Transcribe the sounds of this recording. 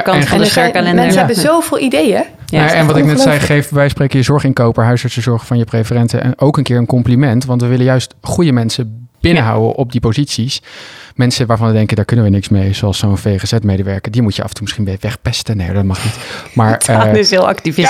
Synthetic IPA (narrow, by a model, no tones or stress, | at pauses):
kɑɛnsɛkalɛnɛsbəzowvɪːlˠidejə | ʔɛnʋɑtɪknɛttsɛjχejftʋɛjsprejkəjəzɔɹχɪnkowpəɹɦœɥzəɹsəzɔɹχəvɑnjəprefərɛntə̰ʔɛ̰nowkənkɪːɹənkɔmplimɛntʋɑntʋəʋɪlənjœɥstχujəmɛnsəb̥ɪnəɦɑ̰wə̰ʔɔb̚dipozitsismɛnsənʋaːɹvɑnʋədɛŋkədaːɹkɵnənʋənɪksmejzowɑlˠsownfejχəz̥ɛtmejdəʋɛɹkədimucjəɑ̰fəntumɪsχinʋɛʋɛχpɛstənḛja̰dɑt̚mɑχnitmaːɹɪsɪlˠɑ̰ktivɪ